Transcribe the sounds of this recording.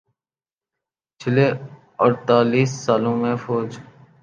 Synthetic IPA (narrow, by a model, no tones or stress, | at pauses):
t͡ʃʰɪleː | əɾt̪aːliːsːaːlõːmẽːfʰoːd͡ʒ